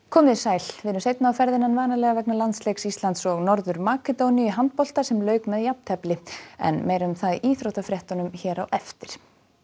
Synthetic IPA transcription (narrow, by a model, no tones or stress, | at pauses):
kʰɔːmɪsaːjlvɪðʏmsejt̪̚naːwfɛɾðɪnɛnvaːnalɛɣavɛknalant̪slejksist̪lant̪sɔɣnɔɾðʏɾmaːkɛt̪ownijʏɦant̪̚pɔl̥t̪asɛmlœːɥkmɛðjapn̥t̪ʰɛplɪɛ̰nmeːjɾaʏmθaðiːθɾowht̪afɾjɛht̪ɔnʏmçɛːɾawʔɛft̪ɪɾ̥